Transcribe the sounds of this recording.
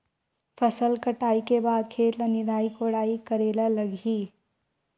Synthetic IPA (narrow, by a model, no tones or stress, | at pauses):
pʰəsəlkəʈaːikebaːd̪̚kʰet̪lənid̪ʱaːikoɽaːikəɾelələɡʱi